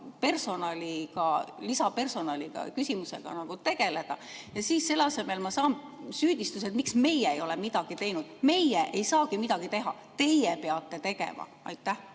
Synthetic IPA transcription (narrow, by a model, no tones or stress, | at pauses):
pe̞rso̞nɑlʲikɑlisɑpe̞rso̞nɑlʲiɡ̥ɑ̰kysimuse̞̰ɡ̥ɑ̰nɑɡ̥ut̪e̞ɡ̥e̞le̞d̪̥ɑjɑsiːsse̞lːɑse̞me̞lmɑsɑːnsyːd̪̥ʲist̪us̬et̪miksme̞jɛejo̞lɛmid̪̥ɑɡ̥it̪e̞jnud̪̥me̞jɛʔejsɑːɡimid̪̥ɑɡ̥it̪e̞ɦɑ̰ | t̪e̞jɛpeɑt̪ːˑe̞t̪e̞ɡ̥e̞̰mɑ̰ | ɑ̰jt̪ːˑæh